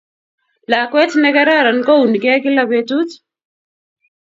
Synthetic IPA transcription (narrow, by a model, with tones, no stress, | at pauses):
la˨kwɛ˦tnɛ˦kɛ˦ɾa˦˨ɾa˨nkɔ˦u˨nkɛ˦kɪ˦la˨betut